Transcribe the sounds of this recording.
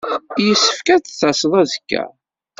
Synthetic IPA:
jəsːə̥fkæt͡sθæsəðˤæðəkːæ̰

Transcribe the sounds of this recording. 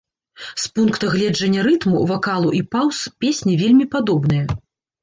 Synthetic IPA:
spunkt̪ɐɣlʲɛd͡ʐɐnʲːɐɾɨt̪muvakalˠuʔipawspʲesʲnʲivʲelʲmʲipad̪ɔbn̪ɨjɐ

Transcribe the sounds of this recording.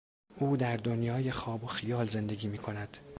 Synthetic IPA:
ʔuːd̪æɾd̪o̞njɒːje̞xɒːboxijɒːlze̞nd̪e̞ɡiːmiːkʰo̞næd̪̥

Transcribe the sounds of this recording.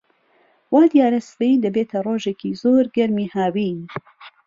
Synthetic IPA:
waːd̪ijaːɾɐsɾeid̪ɐbeːt̪ʰɐroːʒeːcʰizoːɾɡɐɾmiːhaːwiːn

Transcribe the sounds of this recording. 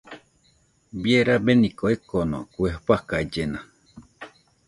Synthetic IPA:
bjeɾabenĩkoekonõ̰kuehpakad͡ʒena

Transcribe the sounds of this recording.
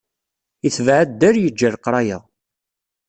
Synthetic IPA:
iθvʕad̪ːəɾjəd͡ʒːəɾqɾˤɑjæ

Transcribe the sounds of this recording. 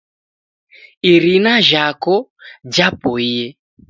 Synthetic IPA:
iɾinaʒakɔd͡ʒapɔijɛ

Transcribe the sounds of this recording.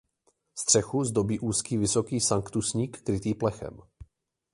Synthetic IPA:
st̪r̝̥ɛxuzd̪o̞biːʔuːskiːvɪso̞kiːsaŋkt̪usɲiːkːɾɪt̪iːplɛxɛ̰m

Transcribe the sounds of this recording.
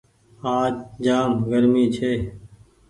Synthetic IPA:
aːt͡ʃd͡ʒaːmɡəɾmiːt͡ʃʰeː

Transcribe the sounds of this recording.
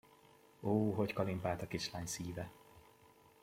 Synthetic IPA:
oːɦockɒlimpaːlt̪ɒkiʃlaːɲsiːvɛ

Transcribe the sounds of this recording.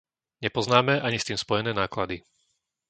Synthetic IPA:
ɲɛpɔznaːmɛʔaɲist̪iːmspɔjɛnɛːnaːklad̪i

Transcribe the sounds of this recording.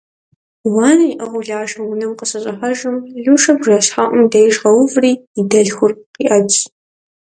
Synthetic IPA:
wɑːniʔɐʁʷʊɮaːʒɐwʊnɨmqəɕɐɕʼɐħɐʒɨmɮuʂɐbʒɐɕħaʔʊmdɐjʒʁɐwʊvriːdɐɮxʷʊrqiʔɐt͡ʃʼ

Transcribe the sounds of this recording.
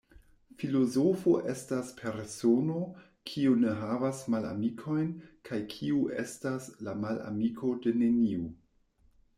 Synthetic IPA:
filo̞zofoʔe̞staspʰe̞ɾsono̞ | kʰiune̞ɦavasmala̰mikʰo̞jnkʰajkʰiuʔe̞̰staslamala̰mikʰo̞de̞neniu

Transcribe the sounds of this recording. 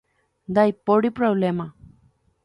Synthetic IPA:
d̪ajpoɽipɾoβlema

